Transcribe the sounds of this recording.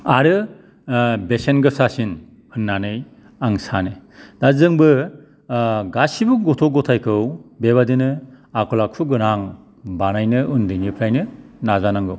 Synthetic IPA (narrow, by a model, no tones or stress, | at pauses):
aɾɯ | besenɡɯsasin | ɯnːanɯj | aŋsanɯd̥azɯŋbɯ | ɡasibuɡɔtʰɔɡɔtʰajkʰɯwbeβadinɯ | akʰɔlakʰuɡɯnaŋ | banajnɯɯndɯnipʰɾajnɯnazanaŋɡɯw